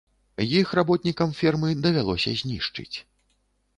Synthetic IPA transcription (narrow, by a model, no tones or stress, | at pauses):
jixrabɔt̪nʲikɐmfʲirmɨd̪ɐvʲalˠɔsʲɐ̰zʲnʲiʂt͡ʂɨ̰t͡sʲ